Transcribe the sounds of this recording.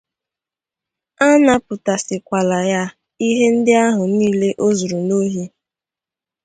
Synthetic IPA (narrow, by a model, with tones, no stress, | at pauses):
a˦na˦pʊ˨ta˨sɪ˨kʷa˨la˨ja˦ | i˦ɦe˦n̩˦dɪ˦a˦ɦʊ˨niː˦le˦ʔo˦zo˨ɾu˨no˦ɦje˦